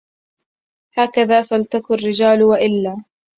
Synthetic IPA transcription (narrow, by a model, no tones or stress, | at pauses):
haːkaðaːfalt̪akʊrːɪd͡ʒaːlwaʔɪlːaː